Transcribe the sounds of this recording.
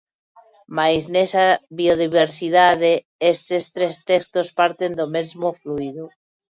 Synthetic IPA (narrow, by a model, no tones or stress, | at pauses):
majznesaβioðiβeɾsið̞aðe | est̪est̪ɾest̪ekst̪ospaɾt̪end̪omezmofluiðo